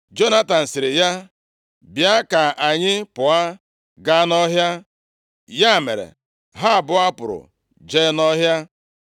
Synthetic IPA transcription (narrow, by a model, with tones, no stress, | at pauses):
d͡ʒo˦na˦ta˨n̩˨sɪ˨ɾɪ˨ja˦ | bja˦ka˨a˨ɲɪ˦pʊ˨a˦ | ɡa˦nɔ˦ɦja˦ | ja˦˨mḛ˨ɾḛ˨ | ɦa˦˨bʊ˨a˦pʊ˨ɾʊ̰˨ | d͡ʒe˦nɔ˦ɦja˦